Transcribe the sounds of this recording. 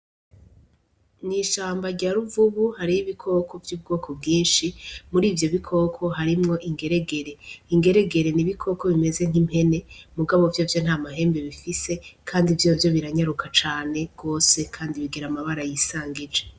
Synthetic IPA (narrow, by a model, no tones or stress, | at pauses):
niʃaːmbaɾɟaɾuvuβuhaɾijiβikʰo̞ːko̞vjuːb̚ɡo̞ːkʰo̞bɡiːnʃimuɾiːvjo̞βikʰo̞kʰo̞ɦaɾimŋo̞ʔiŋɡe̞ɾe̞ɡe̞ɾe̞iŋɡe̞ɾe̞ɡe̞ɾe̞niβikʰo̞ko̞βime̞ze̞ŋ̥im̥he̞ne̞muɡaβo̞vjovjo̞n̥haːmaɦe̞ːmbe̞βifise̞kʰaːndivjovjo̞βiɾaɲaɾukʰat͡ʃaːne̞ɡ̥o̞ːse̞kʰaːndiβiɡeɾamaβaɾajisaːŋɡid͡ʒe